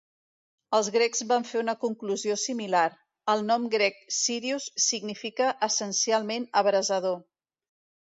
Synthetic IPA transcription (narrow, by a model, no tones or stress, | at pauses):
əlˠzɣɾɛɡzβaɱfeunəkuŋkluziosimilaɾ | əlˠnɔmɡɾɛk̚siɾiusːiɡnifikəʔːsənsialˠmenəβɾəzəðo